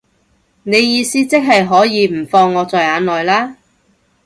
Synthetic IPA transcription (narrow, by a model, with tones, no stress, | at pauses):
ne˨˧jjiː˧siː˥t͡sɪ˥k̚ɦɐ˨jɦɔː˨˥jiː˨˧m̩˨˩fɔː˧ŋːɔː˨˧t͡sɔː˨jaː˨˧nlɔː˨jlaː˥